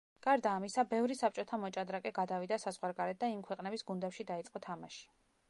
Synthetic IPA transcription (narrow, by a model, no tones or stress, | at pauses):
ɡ̥aɾd̪aːmisabɛvɾisap̚ʰt͡ʃʼɔt̪ʰamɔt͡ʃʼad̪ɾakʼɛɡad̪avid̪asazʁwaɾɡaɾɛt̪̚d̪aimkʰwɛqʼnɛbisɡund̪ɛpʃid̪ait̪sʼqʼɔt̪ʰamaʃi̥